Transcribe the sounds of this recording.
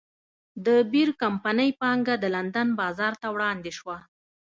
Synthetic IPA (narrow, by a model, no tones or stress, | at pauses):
d̪əbiɾkampanəjpɑŋɡad̪əland̪anbɑzɑɾt̪awɽɑnd̪eʃwa